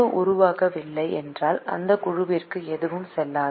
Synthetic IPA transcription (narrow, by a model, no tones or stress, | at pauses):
ɯʔʊɾʊʋaːɣɐʋɪɭːɐɪɛndraːlʔɐ̰nd̪ɐkʊɻʊʋɪrkɯɛðɯʋɯmsɛlːaː